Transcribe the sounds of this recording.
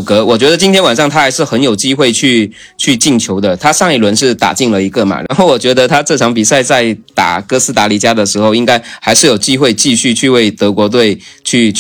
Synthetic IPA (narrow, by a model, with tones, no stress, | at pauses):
kɤ˧˥wɔ˨˩t͡ɕɥɛ˧˥d̪ə˧t͡ɕi˥nt̪ʰjɛ˥nwa˨˩nʂɑ˥˩ŋt̪ʰa˥xa˧˥ɪʂɻ̩˥˩xə˧˥njo˨˩ʊt͡ɕi˥xwe˥˧ɪt͡ɕʰy˥˧ | t͡ɕʰy˥˧t͡ɕi˥˩ŋt͡ɕʰjo˧˥ʊd̪ə˧t̪ʰa˥ʂɑ˥˧ŋi˥˩lwə˧˥nʂɻ̩˥˩t̪a̰˨˩t͡ɕi˥˩ŋlə˨˩i˧˥ɡə˧˨ma̰˨˩ɻa̰˧˥nxo˥˩ʊwɔ˨˩t͡ɕɥɛ˧˥d̪ə˧t̪ʰa˥ʈ͡ʂɤ˥˩ʈ͡ʂʰɑ˧˥ŋpi˨˩sa˥˧ɪt͡sa˥˩ɪt̪a̰˨˩kɤ˥sɹ̩˥t̪a˧˥li˨˩t͡ɕja˥d̪ə˨ʂɻ̩˧˥xo˥˧ʊi˥ŋka˥ɪxa˧˥ɪʂɻ̩˥˩jo˨˩ʊt͡ɕi˥xwe˥˧ɪt͡ɕi˥˧ɕy˥˧t͡ɕʰy˥˧we˥˩ɪt̪ɤ˧˥kwɔ˧˥t̪̬we˥˩ɪt͡ɕʰy˥˧